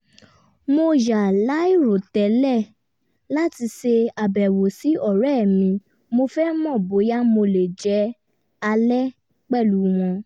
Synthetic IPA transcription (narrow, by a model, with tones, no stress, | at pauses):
mo˧ja˨la˨˦i˦˨ɾo˨tɛ˨˦lɛ˦˨ | la˦ti˧se˧a˨bɛ˨wo˨si˨˦ɔ˦˨ɾɛ˦˨mĩ˧ | mo˧fɛ˦mɔ̃˦˨bo˨˦ja˦mo˧le˨d͡ʒɛ˨˦ | a˧lɛ˦ | k͡pɛ˦˨lu˨˦w̃ɔ̃˧